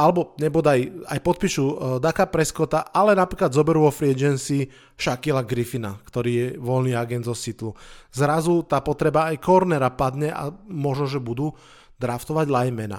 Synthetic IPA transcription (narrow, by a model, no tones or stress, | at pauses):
alɛbɔɲɛbɔd̪ajajpɔt̪̚piːʃud̪akapɾɛskɔt̪aʔalɛnapɾiːklad̪zɔbɛɾuʋɔfɾiɛd͡ʒɛnsi | ʃakilaɡɾifina̰kt̪ɔɾiːjɛʋɔlniːaɡɛnd̪zɔsit̪luzɾazut̪aːpɔt̪ɾɛbaːjkɔɾnɛɾapad̪ɲɛʔa̰mɔʒnɔʒɛbud̪uː | d̪ɾaft̪ɔʋaɟlajmɛna̰